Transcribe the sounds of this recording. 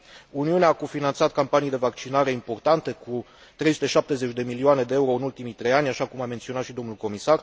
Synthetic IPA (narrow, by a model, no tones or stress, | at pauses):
uniuneaːkofinant̪sat̪kampanijd̪e̞vakt͡ʃinaɾe̞impo̞rt̪ant̪e̞ku | t̪ɾejsut̪e̞ʃap̚t̪e̞ze̞t͡ʃʲd̪e̞milioane̞d̪e̞euɾo̞ɨnult̪imijt̪ɾe̞janʲaʃakumament̪sioat̪ʃid̪o̞mnulko̞misar